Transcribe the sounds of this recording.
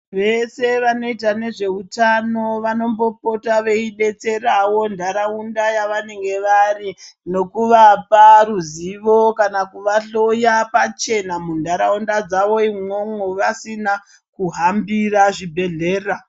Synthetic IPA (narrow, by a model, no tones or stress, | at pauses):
ʋe̞se̞ʋano̞itane̞ʐe̞utano̞ʋano̞mbo̞po̞taʋe̞iɗe̞t͡se̞rawo̞ndʱaɾaundajaʋane̞ŋɡe̞ʋarino̞kuʋaparuziʋo̞kanakuʋaɬo̞japat͡ʃe̞namundʱaɾaundad͡zaʋo̞imo̞ŋoʋasina | kuɦambiraʐibʱe̞ɮe̞ːra